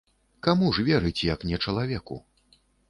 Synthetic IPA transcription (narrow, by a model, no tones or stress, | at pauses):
kamuʐvʲɛɾɨt͡sʲjɐknʲɛt͡ʂɐlˠavʲɛkṵ